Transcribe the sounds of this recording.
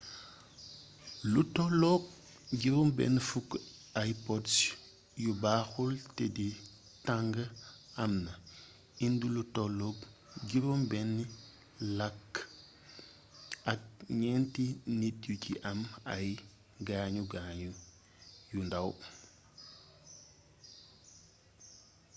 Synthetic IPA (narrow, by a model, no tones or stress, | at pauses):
lutɔlɔk̚ | ɡiɾɔmbɛ̰nːfukajpɔds | jubaːxultɛdi | taŋɡəɐmnɐ | indulutɔlɔk̚ | ɡiɾɔmbɛni | lɐkː | ɐk̚ɲɛntinit̚juciʔɐmɐj | ɡaːɲuɡaːɲu | jundɐw